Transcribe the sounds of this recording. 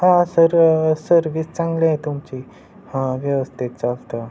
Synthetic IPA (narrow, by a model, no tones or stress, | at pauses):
hãsəɾsəɾʋist͡sãŋɡlaet̪umt͡ɕiː | hãʋjəʋəst̪ʰit̪̚t͡salt̪ə